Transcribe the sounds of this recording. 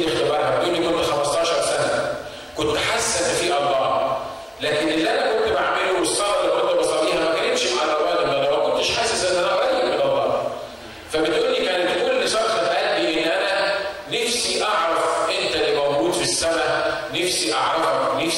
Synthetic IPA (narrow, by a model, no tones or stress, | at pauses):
lext̪ebɑɾˤhæbeʔ̪uːlːikont̪xæmɑst̪ˤɑːʃɑɾˤsænæ | kont̪ħasːæfiːʔɑˤɑːɾ | læːkenʔelːʔænækont̪beʕameluwesˤːɑlːikont̪æbɑsˤɑbiːhæmækænet̪ʃmʔɑrˤːɑbæːlʔæmːælːæmækont̪eʃħaːsesʔenːʔænæwæd̪imenɑlˤːɑː | fæbet̪ʔuːlːikæːnet̪ʔuːlːisɑɾxɑt̪æʔæt̪ːiʔenːʔænænæfsiʔɑʕɾˤɑfʔent̪ælːimæwɡuːd̪fisːæmæ | nefsiʔɑʕɾˤɑfɑknæf